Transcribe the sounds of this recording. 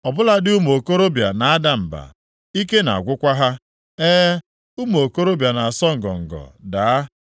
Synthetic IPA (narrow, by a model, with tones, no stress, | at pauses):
ɔ˨bʊ˦la˦dɪ˦u˦mo˨ko˦ɾo˦bja̰˨na˨a˦da˨m̩˨ba̰˨ | i˦ke˦na̰˨a̰˨ɡʷʊ˦kʷa˦ɦa˦ | eː˦ | u˦mo˨ko˦ɾo˦bja˨na˨a˨sɔ˦ŋ̩˨ɡɔ̰˨ŋ̩˨ɡɔ̰˨daː˨˦a˦